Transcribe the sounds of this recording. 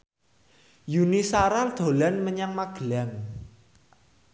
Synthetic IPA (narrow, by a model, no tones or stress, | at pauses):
junisaɾald̪̥o̤lanməɲaŋmaɡ̥əlaŋ